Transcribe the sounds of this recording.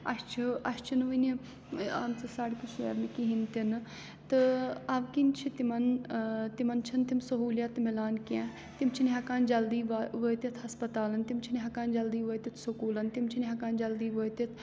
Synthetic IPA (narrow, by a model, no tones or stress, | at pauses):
ɐ̰ʃt͡ʃʰiɐʃt͡ʃʰinʋini | a̰ːmt͡sɐsaːɽkisuḛːʋnikiɦint̪inɨ | t̪ɨɐʋkint͡ʃʰit̪imɐnt̪imɐnt͡ʃʰɐnt̪imsɐɦuːljɐt̪milaːnkã | t̪imt͡ʃʰiniɦɐkaːnd͡ʒɐld̪iːʋaʋəːt̪it̪ʰhɐspɐt̪aːlɐnt̪imt͡ʃʰiniɦɐkaːnd͡ʒɐld̪iːʋəːjt̪it̪ʰsukuːlɐnt̪imt͡ʃʰiniɦɐkaːnd͡ʒɐld̪iːʋoːjt̪it̪ʰ